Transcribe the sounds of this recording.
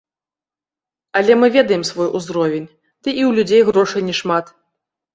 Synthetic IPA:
ɐlʲɛmɨvʲɛd̪ɐjɛmsvɔjʔuzɾɔvʲenʲ | d̪̥ɨʔiwlʲud͡zʲejɣɾɔʂɐjnʲiʂmat̪

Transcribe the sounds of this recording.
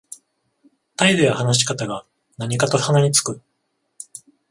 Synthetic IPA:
t̪aid̪ojahanaɕi̥kat̪aɡa | naɲ̟ikat̪o̞hanaɲ̟it͡sɨ̥kɯ̟

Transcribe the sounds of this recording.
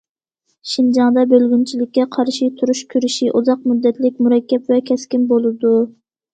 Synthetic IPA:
ʃind͡ʒɑŋd̪ɑbølɡʲynt͡ʃʰilɪkʲːɛqʰɑɾʃit̪ʰuɾuʃkʲʰyɾɪʃiʔuzɑq̚mud̪ːɛt̪lɪkʲmuɾɛkʲːɛpvɛkʲʰɛskʲinbolˠɨd̪u

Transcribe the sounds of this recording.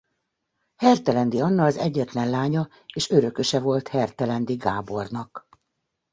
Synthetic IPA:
hɛrt̪ɛlɛnd̪iɒnːɒːzɛɟːɛt̪lɛnlaːɲɒ | eːʃøɾø̞kø̞ʃɛvo̞lt̪hɛrt̪ɛlɛnd̪iɡaːbo̞rnɒk

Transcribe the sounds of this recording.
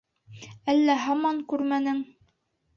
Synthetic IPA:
ælːæɦɑmɑŋkʉɾmænɘŋ

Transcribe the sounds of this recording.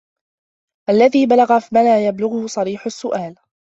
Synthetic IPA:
ʔalːaðiːbalaɣamalaːjablʊɣʊhʊsˤɑɾiːħʊsːʊʔaːl

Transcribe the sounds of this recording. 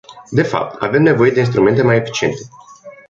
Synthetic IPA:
d̪e̞fa̰p̚t̪a̰ve̞mne̞vo̞je̞d̪e̞inst̪ɾume̞nt̪e̞majefi̥t͡ʃie̞nt̪e̞

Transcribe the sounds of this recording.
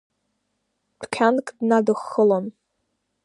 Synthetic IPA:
dʷʰkʲʰankʼdnadɨχːəlon

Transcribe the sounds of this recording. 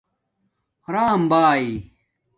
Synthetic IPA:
hɐɾaːmbaːi

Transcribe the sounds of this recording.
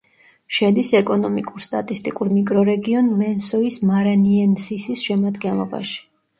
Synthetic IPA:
ʃɛd̪isɛkʼɔnɔmikʼuɾst̪ʼa̰t̪ʼist̪ʼikʼuɾmikʼɾɔɾɛɡiɔnlɛnsɔismaɾaniɛnsisisʃɛmad̪ɡɛnlˠɔba̰ʃi̥

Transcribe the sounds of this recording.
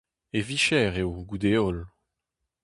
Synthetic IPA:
eviʃɛʁeoɡud̪eɔl

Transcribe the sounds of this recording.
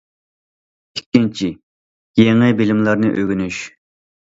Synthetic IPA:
ikʲːint͡ʃʰi | jeŋɪbɪlɪmlˠɑɾnɨʔøɡʲynyʃ

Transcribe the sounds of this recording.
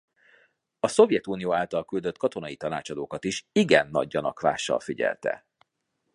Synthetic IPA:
ɒso̞vjɛt̪uːnijoːaːlt̪ɒlkyld̪øt̪kɒt̪o̞nɒjit̪ɒnaːt͡ʃɒd̪oːkɒt̪iʃiɡɛnːɒ̰ɟːɒnɒkva̰ːʃːɒ̰lfiɟɛ̰lt̪ɛ̰

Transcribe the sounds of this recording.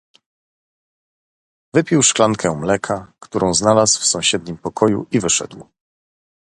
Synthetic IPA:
vɘpʲiwʂklaŋkʰɛmlɛkʰakt̪uɾʔɔ̃w̃znalasfsɔ̃w̃ɕɛd̪̚ɲimpɔkɔjṵivɘʂɛ̰d̪w

